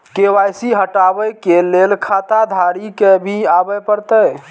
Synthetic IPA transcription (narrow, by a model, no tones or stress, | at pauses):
kewajsiɦəʈabəjkelelkʰat̪ad̪ʱaɾikebʱiabəpəɾt̪əj